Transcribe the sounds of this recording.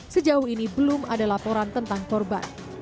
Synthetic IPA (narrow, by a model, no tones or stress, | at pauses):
səd͡ʒauhinibəlʊma̰dalapoɾant̪ənt̪aŋkɔrba̰n